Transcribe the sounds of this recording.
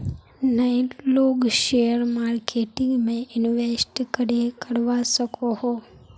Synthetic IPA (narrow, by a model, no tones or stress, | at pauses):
naɪloːɡʃejəɾmaːɾkʰeːʈɪ̃ŋɡmẽʔɪnʋesʈkəɾekəɾʋasəkʰoho